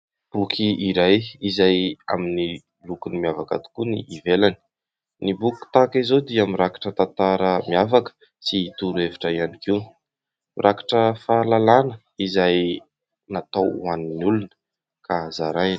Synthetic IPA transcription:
b̥ukʰiiɾajizaja̰mini | lukunimiavaka̰t̪u̥kunḭːvelani | nibuku̥t̪akizod̪iamirakḁʈ͡ʂət̪ant̪aɾəmiavakə̥ | siːt̪uɾuevi̥ʈ͡ʂaianikiw | mirʔakḁʈ͡ʂəfalalanə | izaj | nat̪awaninulunə̥ | kʰazaɾaj

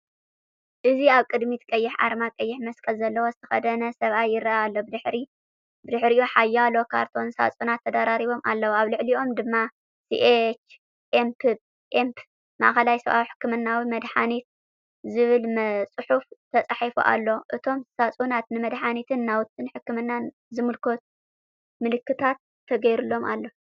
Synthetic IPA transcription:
ʔɨziaβkʼɨd̪mit̪kʼɐjːɪħʕa̰ɾmakʼɐjːɪħmɐskʼɐlzɐlːɐwo̞zɨt̪ʰɐ̥xɐd̪ɐnɐsɐβʔajːɪrːaʔalːobɨd̪ɨħɾi | bɨd̪ɨħɾiʔʔuħajːalo̞kʰa̰ɾt̪ʰo̞nsa̰t͡sʼunat̪ʰːɐd̪aɾaɾiβo̞mʔa̰lːɐwaβlɨʕliʔo̞md̪ɨmːa | sḭʔet͡ʃ | ʔempʰɨb | ʔempʰ | ma̰ʔxɐlajsɐβʔa̰wħɨ̥kːɨmɨnːawimɐd̪ħanit̪̚ | zɨβɨlmt͡sʼɨħuft̪ʰɐt͡sʼaħifṵʔa̰lːo̞ʔɨt̪ʰo̞msat͡sʼunat̪nɨmɐd̪ħanit̪ʰɨnːawt̪ʰːɨnħɨkːɨmɨnːan | zɨmɨlkʰo̞t̪̚ | mɨlɨkːɨt̪ʰat̪ʰːɐɡɐjɾulːo̞mʔalːo̞

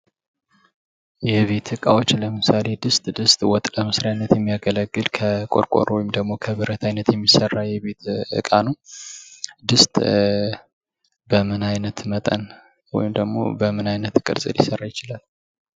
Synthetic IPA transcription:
jɛβe̞t̪ɨkʼawo̞t͡ʃːləmɨsale̞d̪ɨst̪ʼd̪ɨst̪ʼwɔt̪ʼləmɨsɾijanːət̪jɛmːijaɡələɡːɨlkʰəkʼo̞̰ɾkʷʼo̞̰ɾwɔjɪmd̪əɡmo̞kʰəβɨɾət̪ʰajnət̪jɛmːisərːajɛβe̞t̪ɨ̰kʼanuw | d̪ɨst̪ʼ | bəmɨnajnət̪mət̪ʼə̰n | wɔ̰jɪmd̪əɡmo̞̰bəmɨnajnət̪kʼɨ̰ɾsʼɨ̰ljɪsərːajɪt͡ʃɪlal

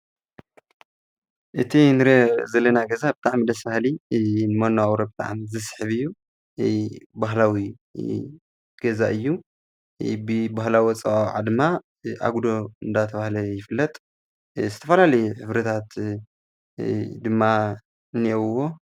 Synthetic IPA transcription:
ʔɨt̪ʰinɨɾɐzɐlːɐnaɡɐzabɨt̪ʼaʕmid̪ɐsbahlinɨmanoawɾobɨt̪ʼa̰ʕmizɨsħɨβɨjːu | baɦlawi | ɡ̥ɐzaʔɨjːu | bɨbaɦlawɐt͡sʼɐwawʕa̰d̪ɨma | ʔa̰ɡud̪oɨnd̪at̪ʰɐβahlɐjɪfɨlːɐt̪ʼ | zɨt̪ʰɐfɐlalɐjuħɨβɾɐt̪ʰat̪ | d̪ɨmːa | niwo̞

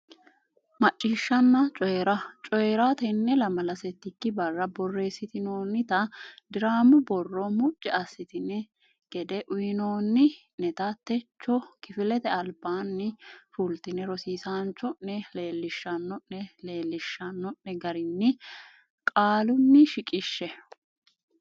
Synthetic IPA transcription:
mɐt͡ʃʼːiːʃːɐnːɐt͡ʃʼɔjɛɾɐt͡ʃʼɔjɛɾat̪ɛnːɛlɐmɐlɐsɛt̪ːɪkːɪbɐrːɐbɔrːe̞ːsːɪt̪ɪnoːnːɪt̪ɐd̪ɪɾaːmʊbɔrːɔmʊt͡ʃʼːɛɐsɪt̪ɪnɛ | ɡ̥ɛd̪ɛʔʊjɪno̞ːnːɪ | nɛt̪ɐt̪ːɛt͡ʃːɔkɪfɪlɛt̪ɛɐlbaːnːɪfult̪ɪnɛɾɔsiːsaːnt͡ʃːɔɛle̞ːlːɪʃːɐnːɔʔːɛle̞ːlːɪʃːɐnːɔʔːɛɡɐɾɪnːɪ | kʼaːlʊnːɪʃɪkʼɪʃːɛ

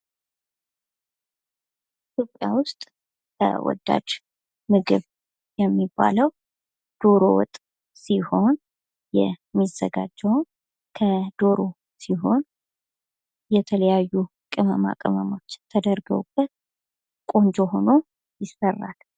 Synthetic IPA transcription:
it̪ʰjo̞pʼjawʊst̪ʼ | kʰə̰wɔ̰d̪ːa̰d͡ʒ | mɨɡɨβ | jɛmːibːa̰ləw | d̪̥o̞ɾo̰wɔ̰t̪ʼ | siho̞n | jɛmːizəɡad͡ʒːɛwn | kʰəd̪̥o̞ɾo | siɦo̞n | jɛt̪ʰələjajːu | kʼɨməma̰kʼɨməmot͡ʃːt̪ʰːəd̪əɾɡə̰wb̥ːət̪ | kʼond͡ʒoɦo̞no̞ | jɪsːərːa̰l

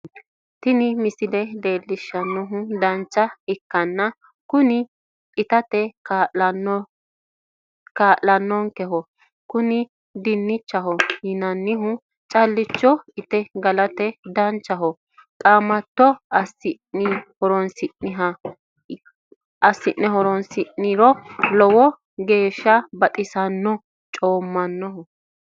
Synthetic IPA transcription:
t̪ɪnɪmɪsɪd̪ɛde̞ːlːɪʃːɐnːɔɦʊd̪ɐnt͡ʃːɐɪkːɐnːɐ | kʊnɪ | ɪt̪ɐt̪ɛkː | kaːʔɐnːɔŋkɛɦɔ | kʊnɪ | d̪ɪnːɪt͡ʃːɐɦɔjɪnɐnːɪɦʊ | t͡ʃʼɐlːɪt͡ʃːɔɪt̪ɛɡɐlɐt̪ɛd̪ɐnt͡ʃːɐɦɔ | t̪ʼaːmːɐt̪ːɔɐsɪnɪhɔɾɔnsɪʔɪɦɐ | ɐsːɪʔːɛɦɔɾɔnsɪʔːɪɾɔlɔwɔ | ɡe̞ːʃːɐbɐt̪ʼɪsɐnːɔ | t͡ʃʼoːmːɐnːɔɦɔ

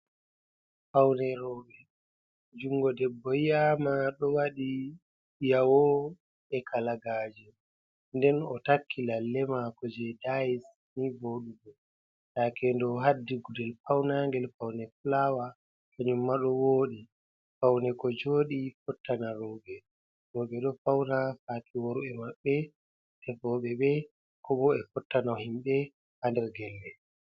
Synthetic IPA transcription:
fawnɛɾɔːbɛ | d͡ʒuŋɡɔdɛbːɔjaːmaɗɔwaɗi | jawɔ | ɛkʰalaɡaːd͡ʒɛ | ndɛnɔtakʰːilalːɛmakɔd͡ʒɛdajis | niboɗubɔ | takʰɛndɔɦadːiɡudɛlfawnaŋɡɛlfawnɛfulawa | kaɲumːaɗɔwoːɗi | fawnɛkɔd͡ʒoːɗifɔtːanaɾɔɓɛ | ɾɔɓɛɗɔfawnafaːtʰiwoɾuɛmaɓːɛ | tɛfɔɓɛɓɛ | kɔɓɔɛfɔtːanahimɓɛ | handɛɾɡɛlːɛ

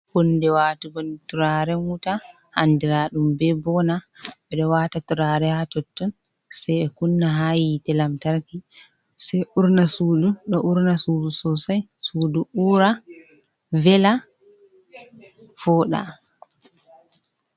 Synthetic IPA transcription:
kɔndɛwaːtuɡɔnɛtuɾaɾɛnuta | handiɾaɗumbɛbɔnaɓɛɗɔwatatuɾaːɾɛhatɔtːɔn | sajɛkunːaɦajitɛlamtaɾki | sɛjʔuɾnasuːduɗɔʔuɾnasuːdusɔsajsuːduʔuɾa | vɛla | fɔːɗa̰

